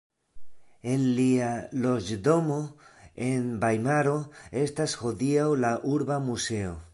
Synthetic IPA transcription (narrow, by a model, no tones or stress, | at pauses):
e̞lːialo̞d͡ʒdo̞mo̞e̞nbajmaɾo̞e̞stasho̞diawlaʔuɾbamuse̞o̞